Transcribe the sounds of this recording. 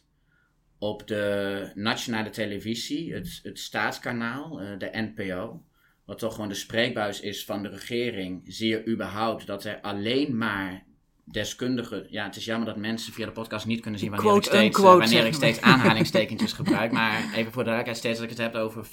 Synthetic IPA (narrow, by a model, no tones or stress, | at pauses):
ɔpdənatsjonaːlətʰeləviziətətstaːtskanaːlˠdəʔɛnpeoː | ʋɑtʰːɔχʋoːndəspreːk̚bœɥsɪsfɔndərəχɪːrɪŋziːəɹʔybəɹɦawp̚tdɔtɛɹalejnmaːɹ | dɛskøndəχəjaətɪsjɑməɹdɔtmɛnsənfiadəpɔt̚kɑstnit̚kønənzinʋannːeoʋanɪːrɪksteːsaːnɦaːlɪŋsteːkənsɪsχəbrœɥkmaɹejvənfoːɹdəʋaləkɦɛtstetsdɔtɪkətɦɛpowvəɹ